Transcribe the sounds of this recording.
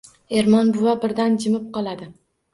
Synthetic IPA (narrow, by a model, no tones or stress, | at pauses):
e̞ɾmɒnbʊwabɪɾd̪and͡ʒɪmɪp̚qɒlˠad̪ɪ